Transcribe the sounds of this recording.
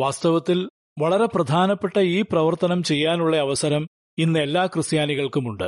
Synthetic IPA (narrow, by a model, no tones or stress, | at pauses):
ʋaːst̪ɐʋɐt̪ːil | ʋɐɭɐɾeprɐd̪ʱaːnɐpːe̞ʈːɐiːprɐʋɐrt̪ɐnɐmt͡ɕe̞jːaːnuɭːɐɐʋɐsɐɾɐm | inːe̞lːaːkrɨsjaːniɣɐɭkumuɳɖɨ̰